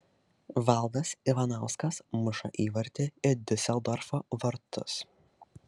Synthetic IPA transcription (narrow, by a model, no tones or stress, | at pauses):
ʋɑˑlˠˑd̪ɐsiʋɐnɑˑʊskɐsmʊʃɐ̰ʔiːʋɐɾʲt̪ʲɪɪɾd̪ʲɪsʲɛlˠd̪ɔɾfoːʋɐɾt̪ʊ̰s